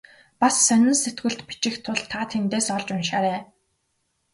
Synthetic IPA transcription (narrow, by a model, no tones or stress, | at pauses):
pasːœnʲɪ̆nset̪ɡɘ̆ɮt̪pi̥t͡ɕɪ̆xt̪ʰːʊɮt̪ʰːaːt̪ʰent̪eːsɔɮt͡ɕʊnʃaːɾeː